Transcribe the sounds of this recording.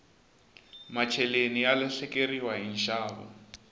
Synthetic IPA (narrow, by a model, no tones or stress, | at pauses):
mat͡ʃʰɛlenijalɛɬɛkʼeriwaɦinʃaːβɔ̰